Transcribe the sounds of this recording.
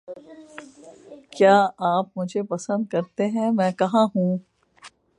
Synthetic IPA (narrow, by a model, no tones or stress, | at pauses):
kjaːaːp̚mʊd͡ʒʱepɐsə̃nd̪̚kɐɾt̪eɦɛ̃mɛ̃ːkɐɦãɦũː